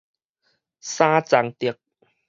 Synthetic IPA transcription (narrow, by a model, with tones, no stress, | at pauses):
saː˦t͡sa˨˦ŋt̪i˨˩ə˦k̚